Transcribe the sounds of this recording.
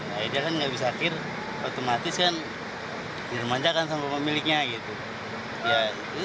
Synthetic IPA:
naidiakanŋɡabisaːkɪr | ot̪omat̪ɪskan | hirmaɲd͡ʒakansaŋkaməmilɪk̚ɲaɡit̪u | jait̪u

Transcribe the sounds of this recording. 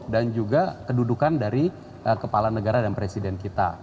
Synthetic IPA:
dand͡ʒuɡakədudukandaɾi | əkəpalanəɡaɾadanpɾesidɛnkit̪a̰

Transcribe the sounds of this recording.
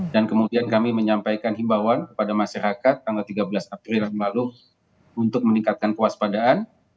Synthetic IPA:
dankəmudiankamiməɲampajkanɦimbawankə̥padamaʃaɾakat̪ːaŋɡalt̪iɡabəlasapɾilamlalu | unt̪ʊk̚məniŋkat̪̚kankəwaspadaːn

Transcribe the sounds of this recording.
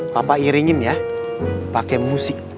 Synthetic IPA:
papaiɾiŋɪmja | pakɛmusɪk̚

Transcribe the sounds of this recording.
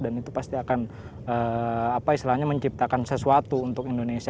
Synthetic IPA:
danit̪upast̪iakan | əapaist̪ilaɲaməɲt͡ʃip̚t̪akansəsuat̪uːnt̪ʊkindonesi

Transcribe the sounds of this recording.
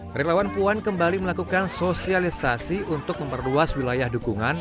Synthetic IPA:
relawanpuankəmbaliməlakukansosialisasiunt̪ʊk̚məmpərluaswilajahdukuŋan

